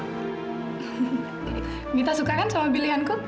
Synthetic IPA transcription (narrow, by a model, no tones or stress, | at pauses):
mit̪asukakansʌmʌbiliɦanko